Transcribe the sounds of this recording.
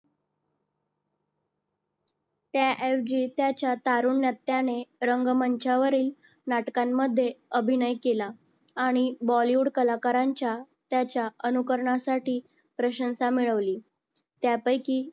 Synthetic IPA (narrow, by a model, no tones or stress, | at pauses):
t̪jaʔefd͡ʑiːt̪jat͡ɕjat̪aɾuɳːjat̪ːjaneɾəŋɡməɲt͡ɕaʋəɾiːl | naʈkamːəd̪ʱːjeəbʱinəjkelaː | ɽ̃ibɔliuɽkəlakaɾaɲt͡ɕja | t̪jat͡ɕjaənukəɾɳasaʈiː | pɾəɕə̃nsamiɭəʋliː | t̪japəjkiː